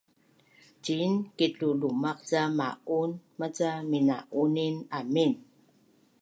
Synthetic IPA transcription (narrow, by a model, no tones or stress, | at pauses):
d͡ʒinkiɬulumaqzama̰ʔunmat͡samina̰ʔuninamin